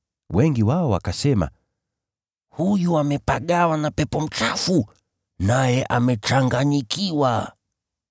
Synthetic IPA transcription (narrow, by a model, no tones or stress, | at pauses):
wɛŋɡiwaɔwakasɛma̰ | hujuamɛpaɠawanapɛpɔm̩t͡ʃafu | najɛʔamɛt͡ʃaŋɡaɲikiwa